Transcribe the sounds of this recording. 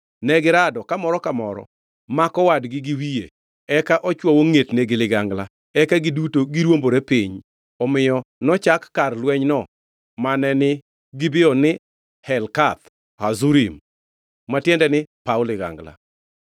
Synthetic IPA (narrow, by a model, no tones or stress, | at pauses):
nɛɡɪɾadɔkamɔɾɔkamɔɾɔ̰ | makɔwadɡɪɡiwijḛ | ɛkaʔɔt͡ʃwɔwoŋetneɡɪlɪɡaŋɡla | ɛkaɡɪdutoɡɪɾwomboɾepiɲ | ɔmɪjɔnɔt͡ʃakːarlwɛɲnɔ | manɛnɪ | ɡɪbɪɔnɪ | hɛlkat̪ | hazuɾimː | atjɛndɛnɪpaʊlɪɡa̰ŋɡla̰